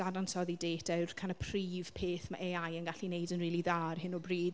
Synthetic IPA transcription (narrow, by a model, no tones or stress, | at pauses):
adansɔðideːtʰɛwrkʰanəpʰr̥iːv̥pʰeːθma̰ʔeajənɡaɬinejdənriːlˠiðaːrhɪnɔbriːd